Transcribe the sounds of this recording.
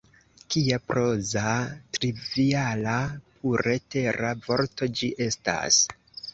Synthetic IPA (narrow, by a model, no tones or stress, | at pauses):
kiapɾo̞zatɾivialapʰuɾe̞te̞ɾavo̞ɾto̞d͡ʒiʔe̞sta̰s